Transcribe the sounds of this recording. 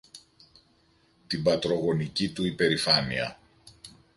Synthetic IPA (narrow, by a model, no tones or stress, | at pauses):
t̪ibɐt̪ɾo̞ɣo̞nicit̪uipe̞ɾifɐniɐ̰